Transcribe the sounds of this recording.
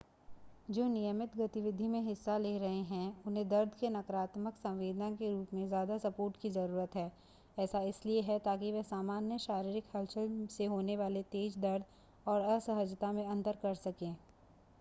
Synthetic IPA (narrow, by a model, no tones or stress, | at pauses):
d͡ʒoːnijəmɪt̪ɡɐt̪ɪʋɪd̪ʱimẽɦɪsːaleɾɐɦeɦɛ̃ʊnɦẽd̪ɐɾd̪ʱkenɐkɾaːt̪məksɐ̃ʋʋeːd̪ənãkeɾuːpmẽzjaːd̪asɐpoːɾʈkizɐɾuːɾət̪ɦɛː | ɛːsaɪslieɦɛt̪aːk̬iʋɛɦsaːmaːnjəʃaːɾiːɾɪkhɐlʃəlseɦoːneʋaːlet̪eːd͡ʒd̪ɐɾd̪ | ɔːɾɐsɐɦəd͡ʒt̪amẽɐ̃nt̪əɾkɐɾsɐkẽː